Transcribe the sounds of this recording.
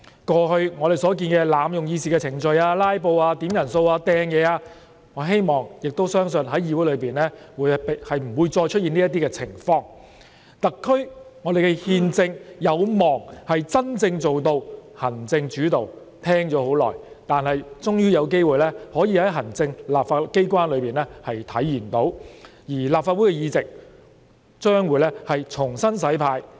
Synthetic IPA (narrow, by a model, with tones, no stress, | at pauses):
kɔː˧ɦɵ˧ŋɔː˨˧ɾe˨˩jsɔː˨˥k̬iː˧nkɛː˧laː˨˧mjʊ˨ŋjiː˧s̬iː˨kɛː˧t͡sʰɪ˨˩ŋt͡ʃɵ˨˧ɥaː˧laː˥jpo˧waː˧t̪iː˨˥mjɐ˨˩nso˧waː˧t̪ɛː˧ŋjɛː˨˧aː˧ | ŋɔː˨˧ɦe˥jmɔː˨˩ŋjɪ˨k̚t̪o˥wsœː˥ŋsɵ˧nɦɐ˨˥jiː˧wu˨˥jlɵ˨˧ɥpiː˨nlɛː˥wuː˨˧jphɐ˨jm̩˨˩wuː˨˧jt͡sɔː˧jt͡ʃʰɵ˥t̚jiː˨ni˥ɐ˥t̪̬iː˥kɛː˧t͡sʰɪ˨˩ŋfɔː˧ŋ | t̪ɐ˨kʰːɵ˥ɥ | ŋɔː˨˧d̪e˨jkɛ˧hiː˧nt͡sɪ˧ŋjɐ˨˧wmɔː˨˩ŋhɐ˨jt͡sɐ˥nt͡sɪ˧ŋt͡so˨wt̪o˧whɐ˨˩nt͡sɪ˧ŋt͡ʃyː˨˥t̪o˨w | t̪ʰɛː˥ŋt͡ʃɔː˨˥ho˨˥wlɔ̰ː˨˩j | t̪aː˨nhɐ˨jt͡sʊ˥ŋjyː˥jɐ˨˧wk̬e˥jwuː˨˩jlɛː˥hɔː˨˥jiː˨˧hɐ˨˥jɦɐ˨˩nt͡sɪ˧ŋlaː˨p̚faː˧ke˥jkʷaː˥nlɵ˨˧piː˨nlɛː˥hɐ˨jt̪ʰɐ˨˥jːiː˨˩nt̪o˨˥wjiː˨˩laː˨pfaː˧t̚u˨˥jkɛ˧jiː˧t͡sɪ˨k̚ | t͡ʃœː˥ŋwuː˨˧jlɛː˥hɐ˨jt͡sʰʊ˨˩ŋsɐ˥nsɐ˨˥jpʰaː˧j